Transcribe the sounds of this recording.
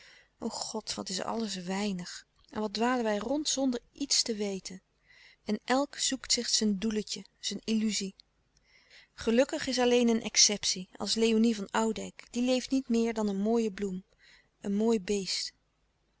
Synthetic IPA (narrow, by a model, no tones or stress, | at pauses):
ʔowχɔtʋɑ̰tɪs̬ɑ̰lˠəsʋɛjnəχ | ɛ̰nʋɑdʋaːlənʋɛjrɔntsɔndəɹitstəʋejtʰən | ɛnʔɛlˠksuktsɪχsənduləcəz̥ənilyzi | χəlɵkəχɪs̬ɑlejnənʔɛ̰ksɛpsiɑ̰lˠslejonivɑnɑwdɛjkd̥ilejftnitmɪːɹdɑnənmoːjəblum | ənmoːjbejst